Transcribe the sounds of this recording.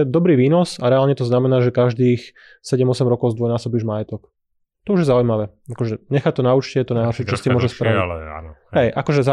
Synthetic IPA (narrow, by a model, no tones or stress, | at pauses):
ɛd̪ɔbɾiːʋiːnɔsaɾɛaːlɲɛt̪ɔznamɛnaːʒɛkaʒd̪iːx | sɛɟɛmɔsɛmɾɔkɔʊzd̪ʋɔjnaːsɔbiːʒmajɛt̪ɔk | t̪ɔuʒjɛzaujmaʋɛː | akɔʒɛɲɛxat̪ɔnauːt͡ʃcɛt̪ɔnajɦɔɾʃɪɛt͡ʃɔst̪imʊɔʒɛspɾaʋiɦɛjʔakɔʒɛza